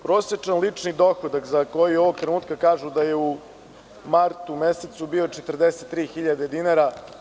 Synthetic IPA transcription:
pɾoːsjet͡ʂanlit͡ʂnid̪o̞xod̪akzako̞jio̞ʋoɡ̚t̪ɾenuːt̪kakaːʒud̪ajeu | maɾt̪umeset̪subio̞t͡ʃet̪rd̪eset̪ːɾiːxiʎad̪e̞d̪inaɾa

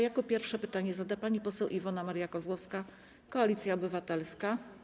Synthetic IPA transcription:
jakɔpʲjɛɾfʂɛpɘt̪aɲɛzad̪apaɲipɔsɛwʔivɔnamaɾjakɔzwɔfska | kɔalʲit̪sʲjaɔbɘvat̪ɛlska

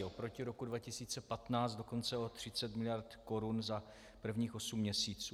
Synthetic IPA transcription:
opɾo̞cɪɾo̞kudvacɪsiːt͡sɛpat̪naːt͡st̪do̞ko̞nt͡sɛo̞t̪r̥ɪt͡sɛt̪mɪlɪjaɾt̪ko̞ɾunza | pr̩vɲiːxo̞sumːɲɛsiːt͡suː

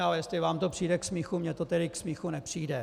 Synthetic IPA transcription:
alɛjɛst̪lɪvaːmt̪opr̥iːdɛksmiːxumɲɛt̪ot̪ɛdɪksmiːxunɛpr̝̥iːdɛ

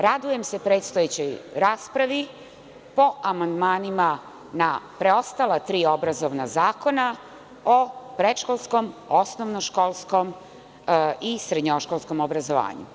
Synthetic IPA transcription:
ɾad̪uje̞mse̞pɾe̞ːt̪st̪ojet͡ɕo̞jɾaːspɾaʋi | po̞ʔamand̪maːnima | napɾeo̞st̪alat̪ɾiːo̞bɾazoʋna̰zaːko̞na | opɾeʃkolˠsko̞mosnoʋnoʃkolˠskom | isɾed̪ɲoʃkolˠskomobɾazoʋa̰ːɲṵ

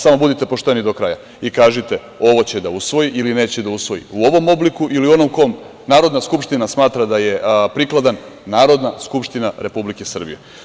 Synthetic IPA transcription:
samo̞bud̪it̪e̞po̞ʃt̪e̞nid̪o̞kɾaja | ikaːʒit̪e̞ | o̞ʋo̞t͡ɕe̞d̪ausʋo̞jiʔiline̞ːt͡ɕed̪ausʋo̞jḭuo̞ʋo̞mo̞blikuʔiliuo̞no̞mko̞m | naːɾo̞d̪naskupʃt̪inasmaːt̪ɾad̪aje̞pɾiklˠad̪anːaːɾo̞d̪naskupʃt̪inaɾe̞publikesr̩bḭje̞̰

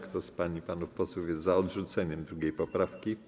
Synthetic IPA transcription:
kt̪ɔspaɲipanufpɔswufʲjɛzaɔd̪ʐut̪sɛɲɛmd̪ɾuɡʲejpɔpɾafkʲi

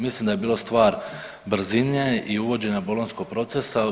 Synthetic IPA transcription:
mislimd̪ajebiːlost̪ʋaːɾ | bɾ̩zineiuʋo̞d͡ʑe̞ɲabolˠonsko̞ɡ̚pɾo̞t̪se̞sa

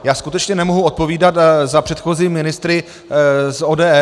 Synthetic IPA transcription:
jaːskut̪ɛt͡ʃɲɛnɛmoɦuot̪̚po̞viːdat̪zapr̥ɛt̪xoziːmɪnɪst̪ɾɪ | soːdɛːɛ

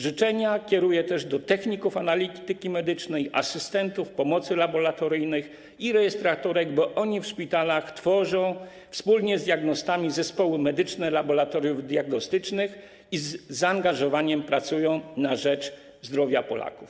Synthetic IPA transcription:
ʐɘt͡ʂɛɲakʲɛɾujɛt̪ɛʐd̪ɔt̪ɛxɲikufanalʲit̪ɘkʲimɛd̪ɘt͡ʂnɛjʔa̰sɘst̪ɛnt̪ufpɔmɔt̪sɘlabɔɾat̪ɔɾɘjnɘx | iɾɛjɛst̪ɾat̪ɔɾɛɡbɔʔɔɲifʂpʲit̪alaxt̪fɔʐɔ̃w̃ | fspulɲɛzd̪ʲjaɡnɔst̪amʲizɛspɔwɘmɛd̪ɘt͡ʂnɛlabɔɾat̪ɔɾʲjuvd̪ʲjaɡnɔst̪ɘt͡ʂnɘx | izːaːŋɡaʐɔvaɲɛmpɾat̪sujɔ̃w̃naʐɛt͡ʂ | zd̪ɾɔvʲjapɔla̰kuf

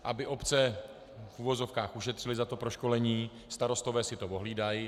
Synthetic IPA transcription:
ʔabɪʔo̞pt͡sɛ | fuvo̞zo̞fkaːxuʃɛt̪r̥ɪlɪzat̪o̞pɾo̞ʃko̞lɛɲiː | st̪aɾo̞st̪o̞vɛːsɪt̪ovo̞ɦliːdaj

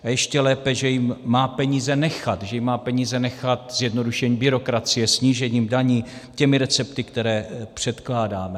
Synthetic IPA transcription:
ajɛʃcɛlɛːpɛʒɛjɪmːaːpɛɲiːzɛnɛxat̪ʒɛjɪmːaːpɛɲiːzɛnɛxat̪̚z̥jɛdno̞duʃɛɲiːbɪɾo̞kɾat͡sɪjɛsɲiːʒɛɲiːmdaɲiːcɛmɪɾɛt͡sɛpt̪ɪkt̪ɛɾɛːpr̝̥ɛt̪klaːdaːmɛ

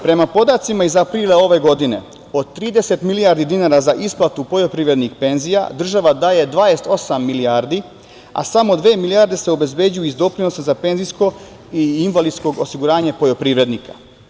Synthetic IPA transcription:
pɾe̞mapo̞d̪at̪simaizapɾiːlˠao̞ʋe̞ɡo̞d̪ine̞̰ | o̞d̪̚t̪ːɾiːd̪ese̞t̪milijaɾd̪id̪inaːɾazaʔisplˠat̪upo̞jo̞pɾiːʋɾe̞d̪nixpe̞nzija̰d̪r̩ʒaʋad̪aːje̞d̪ʋaːest̪o̞samːiliaɾd̪i | a̰samo̞d̪ʋe̞ːmilijaɾd̪e̞seo̞be̞zbe̞ːd͡ʑujuizd̪o̞pɾino̞sazape̞nzisko̞ | iinvalid̪sko̞ɡo̞siɡuɾaːɲepo̞jo̞pɾiːʋɾe̞d̪nikḁ

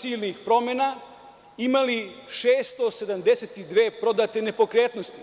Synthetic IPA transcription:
siːlnixpɾo̞mena | imaliʃeːst̪ose̞d̪amd̪e̞set̪id̪ʋeːpɾo̞d̪at̪e̞ne̞po̞kɾe̞ːt̪nost̪i

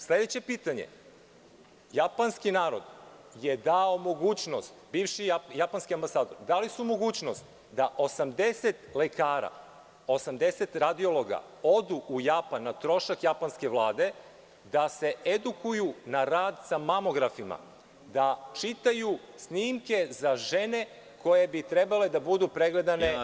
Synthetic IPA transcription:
sle̞d̪et͡ɕe̞piːt̪aɲe̞̰ | japanskinaːɾo̞̰d̪ | je̞d̪aomo̞ɡuːt͡ɕnost̪biːvʃijapanskʲiambasaːd̪oɾd̪alisumo̞ɡuːt͡ɕnost̪ | d̪aʔo̞samd̪eset̪lekaːɾa̰ | o̞samd̪e̞set̪ɾad̪io̞lˠo̞ɡa̰ | o̞d̪uʔujapanːat̪ɾo̞ʃakjapanske̞ʋlˠaːd̪e̞ | d̪ase̞ed̪ukʰujunaɾaːd̪samamo̞ɡɾafima̰ | d̪at͡ʃit̪aju | sniːmke̞zaʒe̞ne | ko̞je̞bit̪ɾebale̞d̪abud̪upɾeɡle̞d̪ane̞

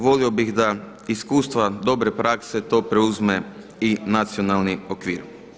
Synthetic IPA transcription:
ʋo̞lio̞biɣd̪a | iskuːst̪ʋad̪o̞bɾe̞pɾakse̞t̪o̞ːpɾeuzme̞ | inat̪sio̞nalˠniokʋiːɾ

